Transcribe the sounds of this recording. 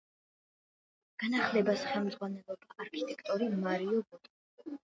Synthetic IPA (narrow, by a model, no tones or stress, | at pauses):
ɡ̥anaχlɛbasχɛlˠmd̪zʁwanɛlˠɔbaʔaɾkʰit̪ʼɛkʰt̪ʼɔɾimaɾiɔbɔt̪ʼ